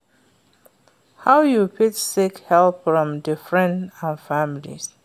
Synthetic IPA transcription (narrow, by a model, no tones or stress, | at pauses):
hawjupʰɪtsikhɛlpfɹɔ̃mdəfɹɛ̃ndãnfamilḭs